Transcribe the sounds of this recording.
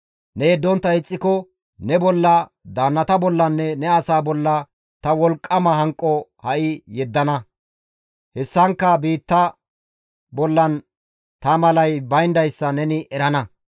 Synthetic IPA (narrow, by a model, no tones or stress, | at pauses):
nɛjɛd̪ːɔnt̪ːɐɪt͡sʼːɪkɔ | nɛbɔlːɐ | d̪aːnːɐt̪ɐbɔlːɐnːɛnɛɐsaːbɔlːɐ | t̪ɐwɔlkʼːɐmɐɦɐŋkʼːɔhɐʔɪjɛd̪ːɐnɐ | hɛsːɐŋkːɐbiːt̪ːɐ | bɔlːɐn | t̪ɐmɐlɐjbɐjnd̪ɐjsːɐnɛnɪʔɛɾɐnɐ